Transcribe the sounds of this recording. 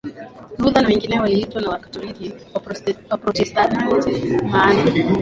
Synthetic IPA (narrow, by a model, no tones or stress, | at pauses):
ɾuðanawɛŋɡinɛwaliitwanawakḁtɔlikiwwapɾɔtɛstatiwɔtɛmana